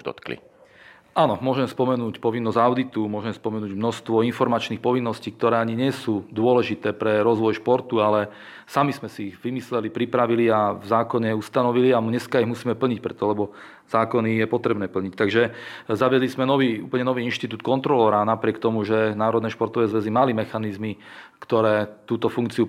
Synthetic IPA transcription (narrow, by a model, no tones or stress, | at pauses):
d̪ɔ̰t̪klḭ | ʔanɔmʊɔʒɛmspɔmɛnuːcpɔʋinːɔzaʊd̪it̪umʊɔʒɛmspɔmɛnuːɟmnɔst̪ʋɔinfɔɾmat͡ʃnixpɔʋinːɔsciːk̚t̪ɔɾɛːaɲiɲɪɛsuːd̪ʊɔlɛʒit̪ɛːpɾɛɾɔzʋɔjʃpɔɾt̪ualɛ | samizmɛsiʋimislɛlipɾipɾaʋiliavzaːkɔɲɛust̪anɔʋiliamɲɛskaiɣmusiːmɛpl̩ɲicpɾɛt̪ɔlɛbɔ | z̥aːkɔnijɛpɔt̪ɾɛbnɛːpl̩ɲict̪aɡʒɛzaʋɪɛd̪lizmɛnɔʋiːṵːplɲɛnɔʋiːinʃt̪it̪uːt̪̚kɔnt̪ɾɔlɛːɾanapɾɪɛkt̪ɔmuʒɛnaːɾɔd̪nɛːʃpɔɾt̪ɔʋɛːzʋɛzimalimɛxanizmikt̪ɔɾɛːt̪uːt̪ɔfuŋkt͡siu